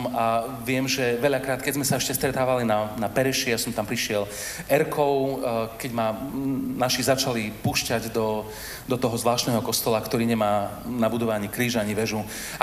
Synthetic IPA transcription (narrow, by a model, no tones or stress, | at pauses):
maʋɪɛmʒɛʋɛʎakɾaːt̪kɛɟzmɛsaɛʃcɛst̪ɾɛt̪aːʋalinanapɛɾɛʃijasɔmt̪ampɾiʃɪɛl | ɛɾkʰɔʊkɛɟmanaʃizat͡ʃalipuːʃcaɟd̪ɔ | d̪ɔt̪ɔɦɔzʋlaːʃt̪nɛːɦɔkɔst̪ɔlakt̪ɔɾiːɲɛmaːnabud̪ɔʋɛaɲikɾiːʒaɲiʋɛʒu